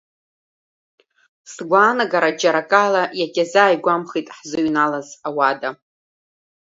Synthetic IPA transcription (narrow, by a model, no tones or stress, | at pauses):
sɡʷaːnaɡaɾad͡ʒaɾakʼalajakʲʼazaːjɡʷamχitʼħzɨɥnalazawada